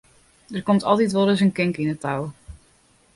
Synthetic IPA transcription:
dərkɔmtɑ̰lˠtitʋolˠdəs̬ənkɪŋkinətaw

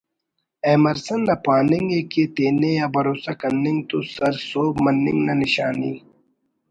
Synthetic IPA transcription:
eːmɐɾsɐnːɐpaːniŋɡeːket̪eːnejɐbɐɾoːsakɐnːiŋt̪osɐɾsoːbmɐnːḭŋɡnɐniɕaːnḭ

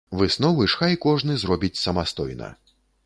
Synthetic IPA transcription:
vɨsnɔvɨʂxajkɔʐnɨzrɔbʲit͡sʲsɐmast̪ɔjnɐ̰

